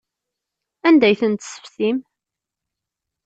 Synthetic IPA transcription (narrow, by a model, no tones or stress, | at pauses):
ænd̪æjθənt̪sə̥fθim